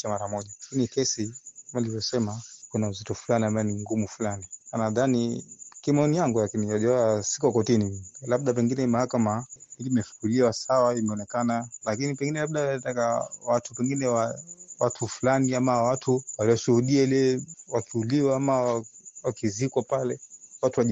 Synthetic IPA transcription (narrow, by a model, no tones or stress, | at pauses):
t͡ʃamaɾamɔʄakinikɛsikamailivjɔsɛmakunauzitɔfulaniambaɛniŋɡumufulanianaðanikimɛɔnijaŋɡulakiniwaʄɛɛasi̥kɔkɔtinilaɓ̚ɗap̬ɛŋɡinɛmahakamaiiimɛfu̥kuɾiwasawaimɛɔnɛkanalakinipɛŋɡinɛlabɗatakawatupɛŋɡinɛwawatʰufulaniamawatʰuwaliɔʃuhuɗiailɛwakʰiuliwaamawawakizikwapalɛwatuwaʄ